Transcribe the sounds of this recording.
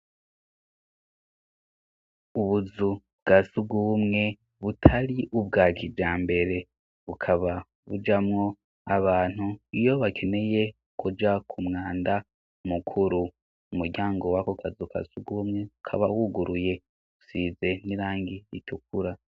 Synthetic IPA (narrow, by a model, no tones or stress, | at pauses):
uβuzu | bɡ̥asuɡumŋe̞ | βutʰaɾiʔubɡaːkʰivd͡ʒaːmbe̞ɾe̞ | βukʰaβa | βud͡ʒamŋo̞ | aβaːn̥huijo̞βakʰe̞ne̞je̞ | kud͡ʒakʰumŋaːnda | mukʰuɾu | umuɾɟaːŋɡo̞wakokʰazukʰa̰suɡuːmŋe̞βukʰa̰βawuɡuɾuje̞ | usiːze̞niɾaːŋɡiɾitʰuk̚uɾa